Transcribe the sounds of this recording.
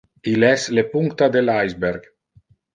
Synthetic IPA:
ilɛslepuŋkt̪ad̪elajzbeɾɡ

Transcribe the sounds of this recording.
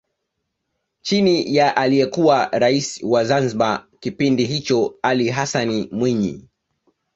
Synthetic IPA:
t͡ʃinijaʔalijɛkuwaɾaisi̥wazanziɓakipindiɦit͡ʃɔaliɦasanimwiɲḭ

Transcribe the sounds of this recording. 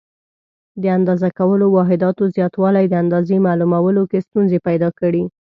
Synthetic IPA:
d̪əand̪ɑzakawəlowɑɦɪd̪ɑt̪ozjɑt̪wɑlajd̪əand̪ɑzemɑlumawəlokest̪unzepajd̪ɑkəɽi

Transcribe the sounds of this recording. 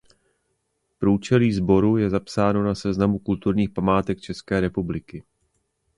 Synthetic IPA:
pɾuːt͡ʃɛliːzbo̞ɾujɛzapsaːno̞nasɛznamukult̪uɾɲiːxpamaːt̪ɛk̚t͡ʃɛskɛːɾɛpublɪkɪ

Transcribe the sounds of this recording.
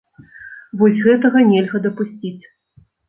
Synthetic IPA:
vɔsʲɣɛt̪ɐɣɐnʲɛlʲɣɐd̪ɐpusʲt͡sʲit͡sʲ

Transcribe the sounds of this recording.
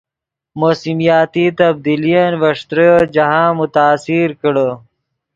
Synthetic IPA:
moːsimijɑːt̪it̪ɐb̚d̪iːlijanwɐʂt̪ɾəd͡ʒɐɦãːmʊt̪aːsiɾkəɽə

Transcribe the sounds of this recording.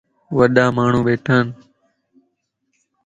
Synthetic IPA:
ʋəɗaːmaːɳ̤ũːɓeːʈʰaːn

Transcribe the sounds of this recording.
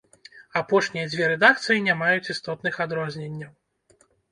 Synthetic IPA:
apɔʂnʲijɐd͡zʲvʲɛɾɛd̪akt̪sɨjinʲamajut͡sʲist̪ɔt̪nɨxad̪ɾɔzʲnʲenʲːɐw

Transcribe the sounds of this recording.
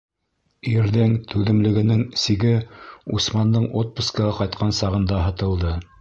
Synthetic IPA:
iɾðɘŋt̪ʰʉðɘ̆mlɘ̆ɡɘ̆nɘŋsiɡɘusmɑnd̪ɤɴʔot̪̚puskɑʁɑqɑjt̪qʰɑnsɑʁɤ̆nd̪ɑɦɤ̆t̪ɤ̆lˠd̪ɤ

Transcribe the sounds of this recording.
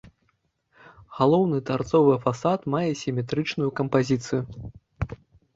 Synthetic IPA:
ɣalˠɔwnɨt̪art̪sɔvɨfasat̪majɛsʲimʲɛt̪ɾɨt͡ʂnujukɐmpazʲit̪sɨju

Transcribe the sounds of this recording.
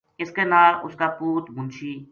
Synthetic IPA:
ɪskenaːʊskapuːt̪bʱʊ̃nt͡ʃʰiː

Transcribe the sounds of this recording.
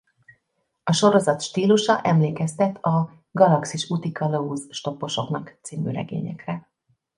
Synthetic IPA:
ɒʃo̞ɾo̞zɒt̪ʃt̪iːluʃɒʔɛmleːkɛst̪ɛt̪ʰɒ | ɡɒlɒksiʃut̪ikɒlouzʃt̪o̞pːo̞ʃo̞knɒkt̪siːmy̰ːɾɛ̰ɡḛːɲɛ̰krɛ

